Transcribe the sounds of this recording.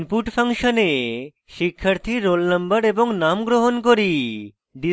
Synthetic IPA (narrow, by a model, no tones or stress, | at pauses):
npuʈpʰaŋʃone | ʃikʰːaɾt̪ʰiɾːolnəmbəɾeboŋnamɡɾoɦonkoɾi | ɖi